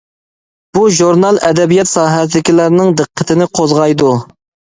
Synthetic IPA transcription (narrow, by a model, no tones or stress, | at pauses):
b̥uʒuɾnɑlˠʔɛd̪ɛbijɛt̪sɑːɦɛsɪd̪ɪkʲilæɾnɪŋd̪ɨqʰːət̪ʰɪnɪqʰozʁɑjd̪u